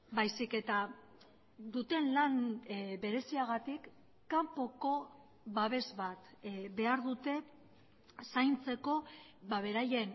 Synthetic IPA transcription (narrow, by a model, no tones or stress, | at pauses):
bajsike̞t̪a | d̪ut̪e̞nlanbe̞ɾe̞siaɣ̞at̪ikː | ampo̞ko̞ | βaβ̞e̞zβat̪βe̞aɾðut̪e̞ | sajnt͡se̞ko̞baβe̞ɾaje̞n